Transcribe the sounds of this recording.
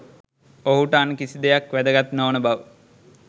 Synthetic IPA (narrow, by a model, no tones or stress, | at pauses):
oɦuʈəankisid̪ejakʋæd̪əɡat̪noːnəbaʋə